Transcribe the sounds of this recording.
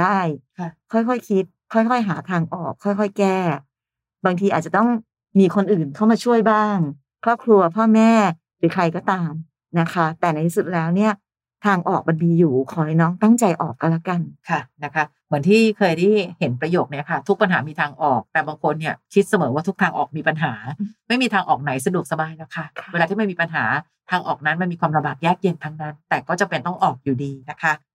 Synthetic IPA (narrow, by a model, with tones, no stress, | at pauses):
daː˥˩jkʰa˧˩kʰɔ˥˩jkʰɔ˥˩jkʰi˦˥t̪̚kʰːɔ˥˩jkʰɔ˥˩jɦaː˩˦t̪ʰaː˧ŋʔɔː˨˩kʰːɔ˥˩jkʰɔ˥˩jkɛː˥˩ | baː˧ŋt̪ʰiː˧ʔaː˨˩t̪̚t͡ɕa˨˩t̪ɔ˥˩ŋ | miː˧kʰo˧nʔɯː˨˩nkʰa˥˩wmaː˧t͡ɕʰu˥˩əjbaː˥˩ŋ | kʰɾɔː˥˩p̚kʰɾu˧ɐpʰɔː˥˩mɛː˥˩ | ɾɯː˨˩˦kʰɾa˧jkɔː˥˩t̪aː˧m | na˦˥kʰa˦˥t̪ɛː˨˩na˧j̪tʰi˦su˨˩t̪̚lɛː˦˥wni˥˩ɐ | t̪ʰaː˧ŋʔɔː˨˩k̚ma˧ndiː˧juː˨˩kʰɔː˩˦hnɔː˦˥ŋt̪a˥˩ŋt͡ɕa˧jʔɔ̰ː˨˩kːa˧nla˦˥ka˧nkʰa˥˩na˦˥kʰa˦˥ | mɯ˩˦nt̪ʰiː˥˩kʰɤː˧jda˥˩jhe˩˦npɾa˧joː˨˩k̚ni˦˥ɐkʰa˥˩t̪ʰu˦˥k̚pa˧nɦaː˩˦miː˧t̪ʰaː˧ŋʔɔː˨˩k̚t̪ɛː˨˩baː˧ŋkʰo˧nːi˥˩ɐkʰi˦˥t̪̚sa˧mɤː˩˦waː˥˩t̪ʰu˦˥k̚t̪ʰaː˧ŋʔɔ̰ː˨˩k̚miː˧pa˧nɦaː˩˦ma˥˩jmiː˧t̪ʰaː˧ŋʔɔː˨˩k̚na˩˦js̬a˧du˨˩ək̚sa˧baː˧jlɛː˦˥wkʰa˦˥˩kʰeː˧la˧iː˥˩ma˥˩miː˧pa˧nɦaː˩˦ | t̪ʰaː˧ŋʔɔː˨˩k̚na˦˥nma˧nmiː˧kwaː˧mla˧baː˨˩p̚jaː˥˩k̚je˧nt̪ʰa˦˥ŋna˦˥nt̪ɛː˨˩kɔː˥˩t͡ɕa˨˩mpe˧nt̪ɔ˥˩ŋʔɔː˨˩k̚juː˨˩diː˧na˦˥kʰa˦˥